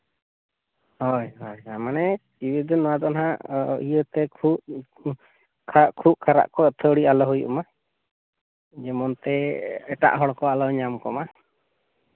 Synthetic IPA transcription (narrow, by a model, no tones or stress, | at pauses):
hɔjɦɔjamanɛt͡ʃiwid̪ɔnɔwad̪ɔnɦaijət̪ɛkʰup̚ | kʰakʰup̚kʰaɾa̰ʔkɔət̪ʰəɽialɔɦujuʔma | d͡ʒɛmɔnt̪ɛɛʈa̰ʔɦɔɽkɔalɔɲamkɔ̰ma